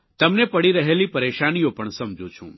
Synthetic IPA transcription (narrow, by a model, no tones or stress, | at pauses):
t̪ɐmnepɐɽiɾɐɦeːlipɐɾeːʃaːnijopɐɳsɐmd͡ʒʱut͡ʃʰṵ̃ː